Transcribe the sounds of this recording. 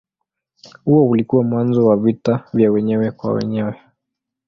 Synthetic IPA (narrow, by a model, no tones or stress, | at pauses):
huɔulikuwamwanzɔwavitavjawɛɲɛwɛkwa̰wɛ̰ɲɛwɛ